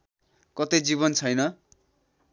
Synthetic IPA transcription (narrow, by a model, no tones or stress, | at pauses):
kʌt̪ʌjd͡ziβʌnt͡sʰʌjnʌ